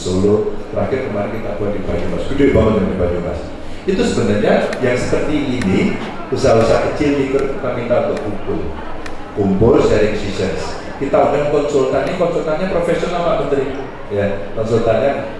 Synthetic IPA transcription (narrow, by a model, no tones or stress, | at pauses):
solʊt̪əɾakɪrkəmaɾɪnkit̪abuat̪̚dibad͡ʒulasbidodibaŋədandibad͡ʒuma̰s | it̪usəbənarɲajaŋsəpərt̪iːni | kusausakət͡ʃɪlɲikərkamit̪aut̪ʊkumpʊ̰l | kumpʊrsaɾɪŋsisəns | kit̪audaŋkɔnsɔlkanɲakɔnsɔlk̪anɲapɾofesionalamənt̪əɾi | jakɔnsɔlt̪anɲa